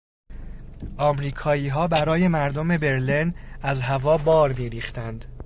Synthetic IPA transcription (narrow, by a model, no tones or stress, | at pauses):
ʔɒːmɾiːkʰɒːiːɦɒːbæɾɒːje̞mæɾd̪ome̞be̞ɾlinæzɦævɒːbɒːɾmiːɾiːxt̪ænd̪